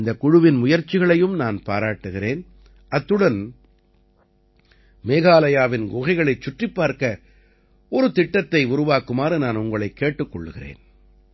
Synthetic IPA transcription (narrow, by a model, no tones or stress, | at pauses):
nd̪ɐkʊɻʊʋɪnmʊjɐɾt͡ʃːɪɣɐɭɐjɯmnaːnpaːɾaːʈːɯɣɪɾeːn | ʔɐt̪ːɯɽɐn | meːɣaːlɐjaːʋɪnɡɔɣɐɪɣɐɭɐɪt͡ʃːʊʈrɪpːaːɾkɐ | ɔɾɯt̪ɪʈːɐt̪ːɐɪʊɾʊʋaːkɯmaːɾɯnaːnʊŋɡɐɭɐɪkːeːʈːɯkːɔɭːɯɣɪrḛːn